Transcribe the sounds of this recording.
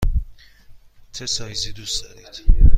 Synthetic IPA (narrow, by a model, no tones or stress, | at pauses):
t̪ʰesɒjzid̪usd̪ɒ̰ɾid̪̥